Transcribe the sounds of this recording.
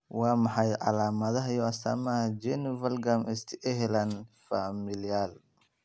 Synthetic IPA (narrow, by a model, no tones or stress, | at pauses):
wɑːmɑħɑjʕɑ̰laːmɐðɐɦɐjɔɐst̪ʰa̰ːmɐhɐd͡ʒɛnɪvɐlɡamɛst̪ʰʔɛɦɛlanfamɪljaːl